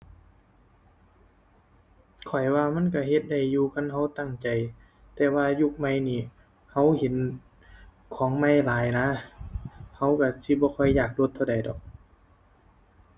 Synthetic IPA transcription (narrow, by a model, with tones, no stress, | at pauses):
kʰɔ˨˩jwaː˧ma˧˥˨nka˧˩ɦe˧˦t̪̚da˧˨˩jːuː˧kʰa˧˥˨nɦa˧˥˩wt̪a˧˩ŋt͡ɕa˨j | t̪ɛː˧˩waː˧ju˧k̚ma˧˩˨jniː˧˩ | ha˧˥˩whe˨˦n | kʰɔː˨˦ŋma˧˨jlaː˨˦jna˧˥ | ha˧˥˩wka˧˩si˧˦bɔː˧˦kʰɔ˧˩jːaː˨˩k̚do˧˦t̪ʰːwda˨˩jdɔː˨˩˦k̚